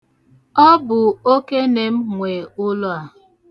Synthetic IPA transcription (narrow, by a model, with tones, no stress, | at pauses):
ɔ˦bʊ˨o˦ke˦ne˨m̩˦ŋʷe˨ʊ˦lʊ˦a˨